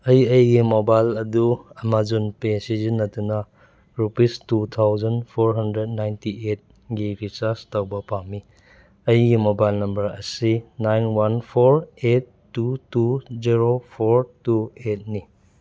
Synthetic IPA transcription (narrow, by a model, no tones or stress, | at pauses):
ɐjɐjɡimobajlɐduɐmazunpesizinːɐtunɐ | ɾupistutʰawzɐnpʰoɾɦɐndɾed̚najntiet̚ | ɡibʰʱisastɐwbɐpami | ɐjɡimobajlnɐmbɐɾɐ̰sinajnwanpʰoɾetːutuziɾopʰoɾtuet̚ni